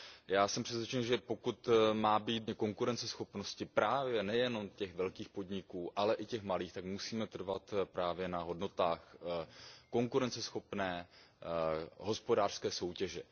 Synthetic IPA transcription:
jaːsɛmpr̥ɛsvjɛt͡ʃɛnʒɛpo̞kut̪maːbiːt̪ɛkoŋkuɾɛnt͡sɛsxopnoscɪpɾaːvjɛnɛjɛno̞mcɛɣvɛlkiːxpo̞dɲɪkuːʔalɛʔɪcɛxmaliːxt̪akmusiːmɛt̪r̩vat̪pɾaːvjɛnaɦo̞dno̞t̪aːx | ko̞ŋkuɾɛnt͡sɛsxo̞pnɛː | ɦo̞spodaːr̥skɛːso̞wcɛʒɛ

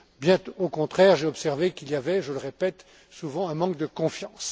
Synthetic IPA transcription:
bjɛ̃t̪ookɔ̃t̪χɛʁʒeɔpsɛʁvekiljavɛʒələʁepɛt̪ | suvɑ̃ɛ̃mɑ̃k̚d̪əkɔ̃fjɑ̃s

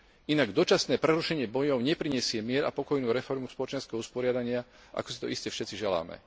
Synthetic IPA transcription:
inaɡd̪ɔt͡ʃasnɛːpɾɛɾuʃɛɲɪɛbɔjɔʊɲɛpɾiɲɛsɪɛmɪɛɾa̰pɔkɔjnuːɾɛfɔɾmuspɔlɔt͡ʃɛnskɛɦɔuspɔɾɪad̪aɲɪa | ʔa̰kɔsit̪ɔ̰ʔiscɛfʃɛt͡siʒɛla̰ːmɛ̰

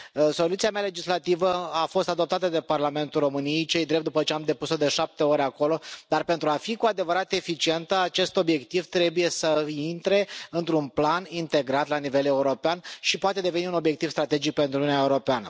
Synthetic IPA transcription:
so̞lut̪siameale̞d͡ʒislat̪ivəafo̞st̪ad̪o̞p̚t̪at̪əd̪e̞parlame̞nt̪ulro̞mɨnijejt͡ʃe̞jd̪ɾe̞p̚t̪d̪upət͡ʃeamd̪e̞puso̞d̪e̞ʃap̚t̪e̞o̞ɾʲako̞lo̞d̪arpe̞nt̪ɾuafikuad̪e̞vəɾat̪e̞fit͡ʃie̞nt̪əat͡ʃe̞st̪o̞bje̞kt̪ivt̪ɾe̞buje̞səint̪ɾe̞ɨnt̪ɾunplanint̪e̞ɡɾat̪lanive̞le̞uɾo̞peanʃipoat̪e̞d̪e̞veniuno̞bjekt̪ivst̪ɾat̪e̞d͡ʒik̚pe̞nt̪ɾunuaeuɾo̞peanə

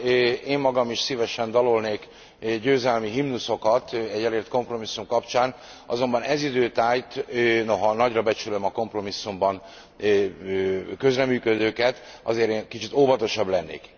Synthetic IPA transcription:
eːmːɒɡɒmiʃsivɛʃɛnd̪ɒlolneːk | ɟøːzɛlmiɦimnuso̞kɒt̪ɛɟːɛleːrt̪ko̞mpro̞misːumkɒpt͡ʃaːn | ɒzo̞mbɒnɛzid̪øːt̪aːjt̪ːnoɦɒnɒɟrɒbɛt͡ʃylømɒko̞mpro̞misːumbɒn | økø̞zrɛmyːkød̪øːkɛt̪ɒ̰zeːɾeːnkit͡ʃit̪oːvɒt̪o̞ʃɒblɛnːḛːk

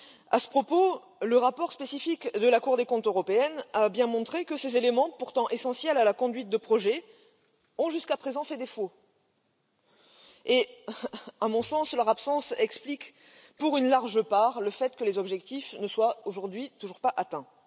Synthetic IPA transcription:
asə̥pχɔpo | ləʁapɔʁspesifikd̪əlakuʁd̪ekɔ̃t̪øʁɔpeɛnabjɛ̃mɔ̃t̪χekəsezelemɑ̃puʁt̪ɑ̃ʔesɑ̃sjɛlalakɔ̃d̪ɥit̪̚d̪əpχɔʒɛ | ɔ̃ʒyskapχezɑ̃fɛd̪efo | e | amɔ̃sɑ̃slœʁapsɑ̃sɛksplik | puʁynlaʁʒəpaʁləfɛt̪kəlezɔbʒɛkt̪ifnəswaoʒuʁd̪ɥit̪uʒuʁpaʔat̪ɛ̃

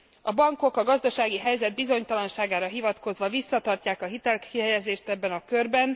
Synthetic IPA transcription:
ɒbɒŋko̞kɒɡɒzd̪ɒʃaːɡiɦɛjzɛd̪̚bizo̞ɲt̪ɒlɒnʃaːɡaːɾɒɦivɒt̪ko̞zʋɒvisːɒt̪ɒrcaːkɒɦit̪ɛlkʰiɦɛjɛzeːʃt̪ɛbːɛnɒkø̞rbɛn

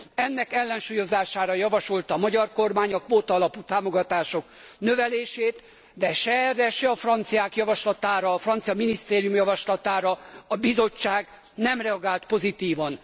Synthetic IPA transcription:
ɛnːɛkɛlːɛnʃuːjo̞zaːʃaːɾɒjɒvɒʃo̞lt̪ɒmɒɟɒrko̞rmaːɲɒkʋoːt̪ɒɒlɒpuːt̪aːmo̞ɡɒt̪aːʃo̞k | nø̞vɛleːʃeːt̪ | d̪ɛʃɛrːɛʃɛɒfrɒnt̪sijaːkjɒvɒʃlɒt̪aːɾɒːfrɒnt̪sijɒminist̪eːɾijumjɒvɒʃlɒt̪aːɾɒɒbizo̞t͡ʃːaːɡ | nɛmrɛɒɡaːlt̪po̞zit̪iːvɒn

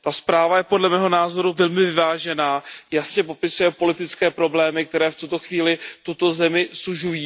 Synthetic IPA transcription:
t̪aspɾaːvajɛpo̞dlɛmɛːɦo̞naːzo̞ɾuvɛlmɪvɪvaːʒɛnaːjasɲɛp̬o̞pɪsujɛpo̞lɪt̪ɪt͡skɛːpɾo̞blɛːmɪk̚t̪ɛɾɛːft̪ut̪o̞xviːlɪt̪ut̪o̞zɛmɪsuʒujiː

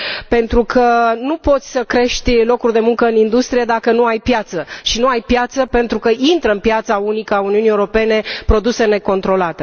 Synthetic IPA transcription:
pe̞nt̪ɾukʰənupo̞t̪sʲsəkɾe̞ʃt̪ʲlo̞kurʲd̪e̞muŋkəɨnind̪ust̪ɾije̞d̪akənuajpjat̪səʃinuajpjat̪səpe̞nt̪ɾukəʔint̪ɾəɨnpjat̪saunikəauniunijewuɾo̞pe̞ne̞pɾo̞d̪use̞ne̞ko̞nt̪ɾo̞lat̪e̞

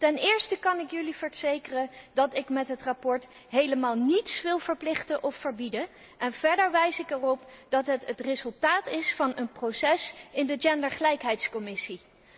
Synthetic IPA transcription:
tɛnɪːɹstəkɑnɪkjɵlivəɹz̥ejkərəndɑtɪkmɛtɦətrapɔɹt | ɦejləmaːlˠnitsʋɪlˠvəɹplɪχtəʔɔffəɹbidə | ʔɛnv̥ɛɹdəɹʋɛjsɪkɛrɔpd̥ɑtɦətətrɪzɵlˠtaːtɪsfɑnənprowsɛsɪndəd͡ʒɛndəɹχəlɛjkɦɛjtskɔmɪsi

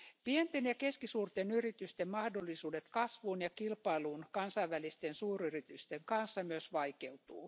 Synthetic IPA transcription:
pient̪enjɑkeskisuːrt̪enyrit̪yst̪emmɑhdolːisuːdet̪kɑsʋuːnjɑkilpɑiluːnkɑnsɑiʋʋælist̪ensuːryrit̪yst̪eŋkɑnsːɑmyøsʋɑikeut̪uː

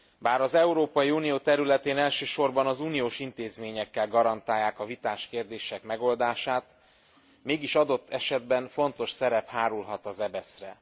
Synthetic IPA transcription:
baːɾɒzɛuɾoːpɒjiuːnijoːt̪ɛɾylɛt̪eːnɛlʃøːʃo̞rbɒnɒzuːnijoːʃint̪eːzmeːɲɛkːɛlɡɒɾɒnt̪aːjːaːkɒvit̪aːʃkeːrd̪eːʃɛkmɛɡo̞ld̪aːʃaːt̪ | meːɡiʃɒd̪o̞t̪ːɛʃɛd̪̚bɛnfo̞nt̪o̞ʃsɛɾɛphaːɾulɦɒt̪ɒzɛbɛsrɛ̰

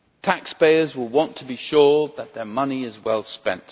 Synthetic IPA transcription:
tʰækspeɪə˞zwɪlˠwɑ̃ntʰəbiʃʊɹðət̪̚ðə˞mʌniɪzwɛlˠspɛ̰̃nt

